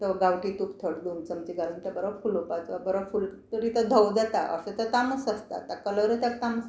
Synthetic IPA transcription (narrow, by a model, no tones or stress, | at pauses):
t̪əɡawʈit̪upt̪ʰəɽd̪uːnt͡səmt͡ɕiɡalunt̪abəɾəfulupat͡sabəɾafult̪əɾit̪əd̪ʱəwd͡zat̪a̰ʔə̰set̪at̪aməsəst̪a̰t̪akələɾət̪jakt̪aməs